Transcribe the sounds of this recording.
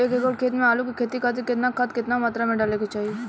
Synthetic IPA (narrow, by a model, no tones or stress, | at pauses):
eːkekoɽkʰeːt̪mẽaːlukikʰeːt̪ikat̪̬ikɪt̪nakʰɐt̪kɪt̪namaːt̪ɾamẽɖaːleket͡ʃaːɦie